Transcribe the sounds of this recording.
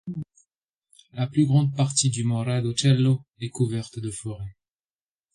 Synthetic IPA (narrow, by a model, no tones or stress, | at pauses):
laplyɡʁɑ̃d̪̚paʁt̪id̪ymɔ̃ʁad̪ot͡ʃɛlːoɛkuvɛʁt̪d̪əfɔʁɛ